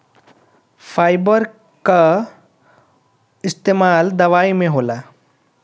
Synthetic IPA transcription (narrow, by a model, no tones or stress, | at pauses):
fajbəɾ | ka | ist̪eːmald̪ɐʋaimẽɦola